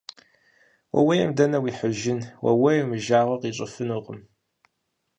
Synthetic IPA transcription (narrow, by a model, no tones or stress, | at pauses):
wɐ̰wɐjɐmdɐnɐwiħəʒɪnwʔɐ̰wɐjmɨʒaːʁɐqiɕʷʼəfɨnuqəm